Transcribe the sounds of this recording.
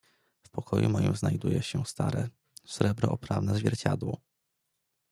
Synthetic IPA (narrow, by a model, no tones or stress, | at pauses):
fpɔkʰɔjumɔjimznajd̪ujɛɕɛst̪aɾɛ | sɾɛbɾɔʔɔpɾavnɛzvʲjɛɾt͡ɕad̪wɔ